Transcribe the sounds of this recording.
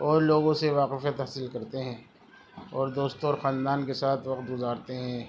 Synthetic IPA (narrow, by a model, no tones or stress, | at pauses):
ɔːɾloːɡõseʋaːqɪfjat̪ɦasɪlkɐɾt̪eɦɛ̃ː | ɔːɾd̪oːst̪õɔːɾxãːnd̪aːnkesaːt̪ʰʋɐqt̪ɡʊzaːɾt̪eɦɛ̃ː